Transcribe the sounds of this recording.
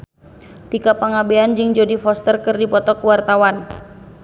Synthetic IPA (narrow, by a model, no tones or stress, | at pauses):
t̪ikapaŋabeand͡ʒɨŋd͡ʒodifɔst̪ərkɨrdipɔt̪ɔkuwart̪awan